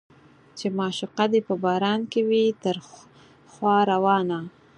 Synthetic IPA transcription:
t͡ʃemɑʃʊqad̪epəbɑɾɑnkewit̪əɾ | xwɑɾawɑna

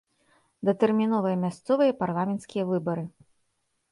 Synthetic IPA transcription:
d̪ɐt̪ɛrmʲinɔvɨjɐmʲast̪sɔvɨjɐparlˠamʲɛnt̪skʲijɐvɨbɐɾɨ

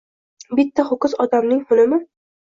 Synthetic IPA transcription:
bɪt̪ːahʊkʊzɒd̪amnɪŋhʊlɪmɪ

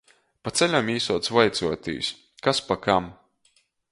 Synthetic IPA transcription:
pat̪sɛlʲamiːsuɔt̪svajt̪suɔt̪ʲḭjs | kaspakam

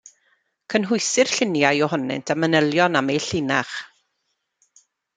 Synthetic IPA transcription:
kʰənɦʊjsɪr̥ɬɪnjajɔhɔnɪ̰ntʰamənəlˠjɔnamejɬɪnaχ

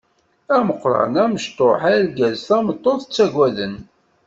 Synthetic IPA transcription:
æməqːɾˤɑ̰ɾnæməʃt̪ˤoħælɡæzθæmət̪ˤːoθət͡sːæɡwæðən

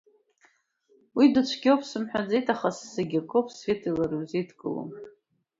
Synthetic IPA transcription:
widɨt͡ʃʷʰɡʲopʰsɨmħʷᶣad͡zejtʰʼaχasːeɡʲakʼopʰsfʲetʰilaɾɨzetʰkʼɨlo̰m

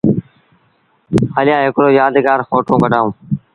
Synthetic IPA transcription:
həlɪjãːɦɪkɾoːjaːd̪ɡaːɾxoːʈõːɡəɖʱãːũː

